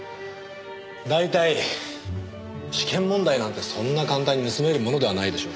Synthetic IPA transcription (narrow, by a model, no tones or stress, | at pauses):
d̪ait̪ai | ɕi̥kʰẽ̞mːõ̞nd̪ainãnt̪e̞sõ̞nːakãnt̪aɲ̟ːinɯ̟sɨme̞ɾɯ̟mo̞no̞d̪e̞βanaid̪e̞ɕoː